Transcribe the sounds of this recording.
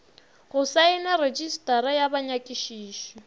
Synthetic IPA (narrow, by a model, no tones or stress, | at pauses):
ɣʊsaɪnared͡ʒistʼaɾajabaɲakʼɪʃiːʃɔ